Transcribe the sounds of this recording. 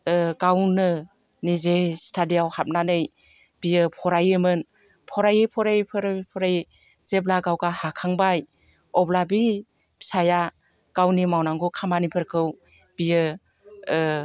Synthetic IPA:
ɡawnɯ | nizestʰadijawhap̚nanɯj | b̥ijɯpʰɔɾajɯmɯn | pʰɔɾajɯpʰɔɾajpʰɯɾpʰɔɾaj | z̥eblaɡawɡahakʰaŋbaj | ɔblabi | pi̥saja | ɡ̥awnimawnaŋɡukʰamanipʰɯɾkʰɯw | b̥ijɯ

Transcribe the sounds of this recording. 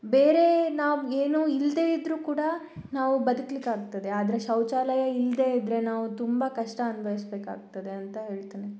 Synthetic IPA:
be̞ːɾe̞naːʋueːnuːild̪e̞ːid̪ɾuːkuːɽɐ | naːʋubɐd̪uklikaːɡ̚t̪ɐd̪e̞aːd̪ɐɾeʃɐwt͡ʃaːlɐjɐild̪e̞id̪ɾe̞naːʋut̪umbɐkɐʂʈɐːnubʱɐʋisbe̞ːka̰ːɡ̚t̪ɐd̪e̞ɐnt̪ɐɦe̞ːɭt̪iːni

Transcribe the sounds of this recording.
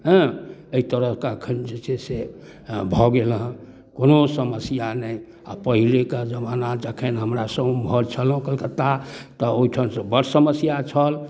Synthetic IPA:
ɦə̃eit̪əɾəɦkeəkʰənd͡ʒet͡ʃʰɛse | bʱɔɡelɦ | konosəməsijanəj | apəɦileked͡ʒəmanad͡ʒakʰenɦəmɾasə̃bbʱɔɾt͡ʃʰəlɦũkəlkət̪at̪ɔoiʈʰənsə̃bəɾsəməsjat͡ʃʰəl

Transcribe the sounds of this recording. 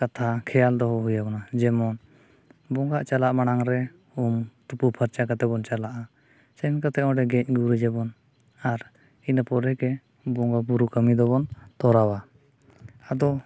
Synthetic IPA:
kat̪ʰakʰɛjald̪ɔɦɔɦujabɔnad͡ʒɛmɔn | bɔŋɡaʔt͡ʃalaʔmanaŋɾɛ | umt̪upupʰəɾt͡ʃakat̪ɛbɔnt͡ʃalaʔa | sɛnkat̪ɛɔ̃ɖɛɡɛc̚ˀɡuɾud͡ʒɛbɔn | aɾ | inapɔɾɛkɛ | bɔŋɡabuɾukəmid̪ɔbɔnt̪ɔɾawa | ad̪ɔ

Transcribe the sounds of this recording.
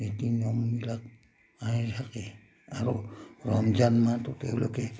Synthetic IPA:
etinomːilak̚ | aihake | aɾoɾoamd͡ʒanmatotewloke

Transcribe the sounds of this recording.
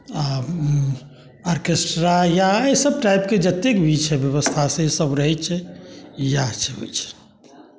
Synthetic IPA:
a | aɾkesʈɾajaesəb̚ʈajp̚ked͡ʒət̪ekbʱid͡ʒt͡ʃʰɛbjəβəst̪ʰasẽsəbɾəɦɛt͡ʃʰɛ | jat͡ʃʰɛɦo̰jt͡ʃʰɛ̥

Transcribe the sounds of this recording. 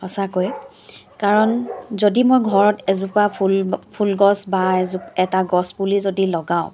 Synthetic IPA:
hɔsakoj | kaɹɔnzodimojɡʱɔɹɔtɛzupapulpʰulɡɔsbaɛzupɛtaɡɔsbulizodilɔɡaʊ̃

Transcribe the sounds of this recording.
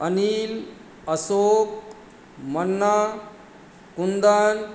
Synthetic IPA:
ənil | əsok̚ | mənːa | kund̪an

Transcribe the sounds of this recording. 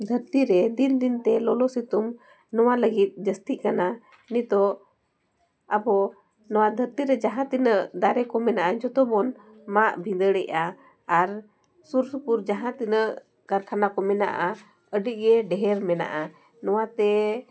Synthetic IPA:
d̪ʱəɾt̪iɾɛd̪ind̪int̪ɛlɔlɔsit̪um | nɔwaləɡit̪̚ˀd͡ʒəst̪iʔkana | nit̪ɔ | abɔ | nɔwad̪ʱəɾt̪iɾɛd͡ʒaɦãt̪inəʔd̪aɾɛkɔmɛnaʔad͡ʒɔt̪ɔbɔn | maʔbʱind̪əɽɛʔaː | ɾ | suɾsupuɾd͡ʒaɦãt̪inəʔ | kaɾkʰanakɔmɛna̰ʔa | əɖiʔ̚ɡɛɖɛɦɛɾmɛna̰ʔa | nɔwat̪ɛ

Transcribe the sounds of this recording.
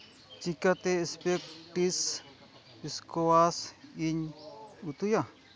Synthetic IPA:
t͡ʃikat̪eespekt̪is | piskoasiɲut̪uja

